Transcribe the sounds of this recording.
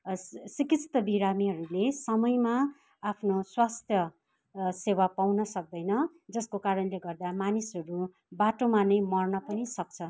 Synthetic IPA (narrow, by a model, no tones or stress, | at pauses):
sikisʰt̪ʌbiɾamiɦʌɾulesʌmʌjma | apʰnoswast̪ʰjʌ | sewapawnʌsʌk̚d̪ʌjnʌ | d͡zʌskokaɾʌnleɡʌrd̪amanisʌɾu | baʈomanʌjmʌrnʌpʌnisʌk̚t͡sʰʌ